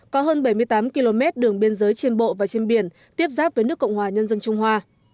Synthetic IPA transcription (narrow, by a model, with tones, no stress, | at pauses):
kɔ˨˦ɦəː˧nɓa˧˩jmɨ˧jt̪aː˨˦mki˧lo˧mɛ˦˥t̚ɗɨ˨˩əŋɓi˧ənzəː˨˦jt͡ɕe˧nɓo̰˧˨vaː˨˩t͡ɕe˧nɓi˨˧˩ən | t̪i˦˥əp̚zaː˦˥p̚vəː˨˦nɨ˦˥əkːə˧˨wŋ͡mhwaː˨˩ɲə˧nzə˧nt͡ɕʊ˧ŋ͡mɦwaː˧